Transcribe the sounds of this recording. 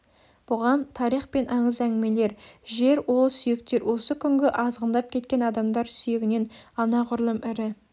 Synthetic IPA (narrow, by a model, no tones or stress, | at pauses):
b̥ʊʁɑnt̪ʰɑɾijχpe̞nʔɑɴəzæŋɡʲɪme̞le̞ɾʒe̞ɾwo̞lˠsʏjɪk̚t̪e̞ɾwʔo̞səkʲʰʏŋɡʲɪʔɑzʁənd̪ɑp̚kʲʰe̞t̪̚kʲe̞nɑd̪ɑmd̪ɑɾsʏjɪɡʲɪne̞nɑnɑʁʊɾlˠəmɪɾɪ